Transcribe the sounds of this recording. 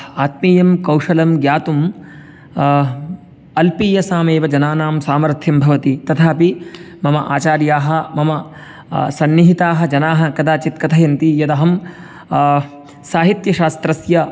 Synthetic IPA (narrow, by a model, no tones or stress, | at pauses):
aːt̪̚miːjɐmkɐwʂɐlɐmɡjaːt̪um | ɐlpiːjɐsaːmeːʋɐd͡ʒɐnaːnaːmsaːmɐɾt̪ʰjɐmbʱɐʋɐt̪it̪ɐt̪ʰaːpi | mɐmɐʔaːt͡ʃaːɾjaːɦɐ̆mɐmɐ | sɐnːiɦit̪aːɦɐ̆d͡ʒɐnaːɦɐ̆kɐd̪aːt͡ʃit̪kɐt̪ʰɐjɐnt̪ijɐd̪ɐɦɐm | saːɦit̪jɐʃaːst̪ɾɐsjɐ